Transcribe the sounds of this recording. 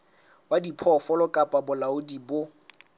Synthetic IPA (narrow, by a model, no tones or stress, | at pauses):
wadipʰɔfɔlɔkʼapʼabʊlaʊdibʊ